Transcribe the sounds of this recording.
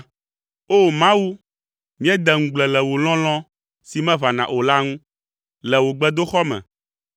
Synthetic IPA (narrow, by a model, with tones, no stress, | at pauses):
o˦mã˦wu˦ | mĩ˦ɛ˦d̪ɛ˨ŋũ˨ɡ͡blɛ˨lɛ˨wo˨lɔ̃˦l̃ɔ̃˦ | si˨mɛ̃˦va˨nã̰˨ʔo˨la˦ŋũ˦ | lɛ˨wo˨ɡ͡bɛ˦d̪o˦xɔ˦mɛ̰̃˨